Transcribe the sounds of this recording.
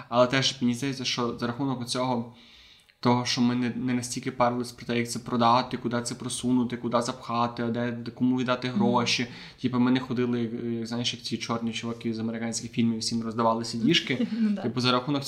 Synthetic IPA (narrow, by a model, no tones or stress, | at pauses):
ɐlˠɛt̪ɛʒmʲenʲizd̪ɐjet͡sʲːɐʃt͡ʃɔzɐɾɐxunɔkʊt͡sʲɔɦɔ | t̪ɔɦɔʃt͡ʃɔmɪnɛnɛnɐsʲtʲilʲkɪpɛɾlˠɔsʲpɾɔt̪ɛjɐk̚t̪sɛpɾɔd̪ɑt̪ɪkʊd̪ɑt̪sɛpɾɔsunʊt̪ɪkʊd̪ɑzɐpxɑt̪ɪɐd̪ɛkɔmuʋʲid̪ɑt̪ɪɦɾɔʃi | tʲipɐmɛnɪxɔd̪ɪlˠɪjɐkjɐkzajʃjɐkt͡sʲit͡ʃɔrnʲit͡ʃɔʋɔkʲizɐmeɾɪkɑnʲsʲkʲɪxfʲilʲmwsʲimrɔzd̪ɐʋɑlˠɪsʲɐdʲiʃkɪt̪ɪpʊzɐɾɐxunɔk